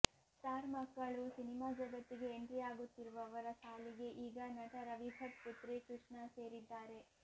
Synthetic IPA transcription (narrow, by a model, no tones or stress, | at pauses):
t̪aːɾmɐkːɐɭusinimaːd͡ʒɐɡɐt̪ːiɡe̞ːɳʈɾijaːɡut̪ːiɾuʋɐʋɐɾɐsaːliɡe̞ʔiːɡɐnɐʈɐɾɐʋibʱɐt̪put̪ɾekɾuʂɳɐse̞ːɾid̪ːaːɾe̞